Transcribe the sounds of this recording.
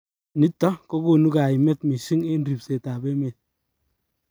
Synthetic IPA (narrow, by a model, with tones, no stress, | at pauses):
ni˦tːɔ˦ko˦ko˨nu˦ka˨i˨mɛ˦tmi˨ʃi˦ŋe˦nri˨pse˨ta˨be˦me˨t̚